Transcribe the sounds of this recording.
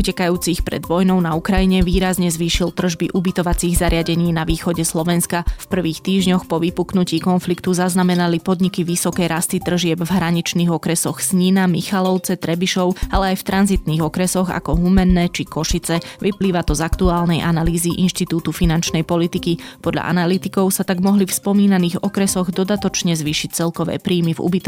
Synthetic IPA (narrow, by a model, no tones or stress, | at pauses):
ucɛkajuːt͡sixpɾɛ̰d̪ʋɔjnɔʊnaukɾajiɲɛʋiːɾazɲɛzʋiːʃilt̪r̩ʒbiʔubit̪ɔʋat͡siːɣzaɾɪaɟɛɲiːnaʋiːxɔɟɛslɔʋɛnskafpr̩ʋiːxt̪iːʒɲɔxpɔʋipuknuciːkɔnflikt̪uzaznamɛnalipɔd̪ɲikiʋisɔkɛjɾast̪it̪r̩ʒɪɛbvɦɾaɲit͡ʃniːɣɔkɾɛsɔxsɲinamixalɔʊt͡sɛt̪ɾɛbiʃɔʊalɛajft̪ɾʔanzit̪niːɣɔkɾɛsɔɣa̰kɔɦumɛnːɛːt͡ʃikɔʃit͡sɛʋipliːʋat̪ɔzakt̪uaːlnɛjʔanaliːziʔinʃt̪it̪uːt̪ufinant͡ʃnɛjpɔlit̪ikipɔd̪ʎa̰ʔa̰nalit̪ikɔʊsat̪aɡmɔɦlifspɔmiːnaniːɣɔkɾɛsɔɣd̪ɔd̪at̪ɔt͡ʃɲɛzʋiːʃic̚t͡sɛlkɔʋɛ̰ːpɾiːmivṵbit̪